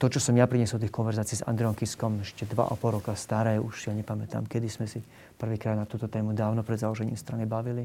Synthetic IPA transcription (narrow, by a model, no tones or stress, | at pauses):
t̪ɔt͡ʃɔsɔmjapɾiɲɛsɔlt̪iːxkɔnʋɛɾzaːt͡siːza̰nd̪ɾɛɔŋkiskɔmɛʃcɛd̪ʋa̰ʔa̰pɔlɾɔkast̪aɾɛːuʃjaɲɛpamɛt̪a̰ːmkɛd̪ismɛsi | pr̩ʋiːkɾaːd̪nat̪uːt̪ɔt̪ɛːmud̪aːʊnɔpɾɛd̪zalɔʒɛɲiːmst̪ɾanibaʋili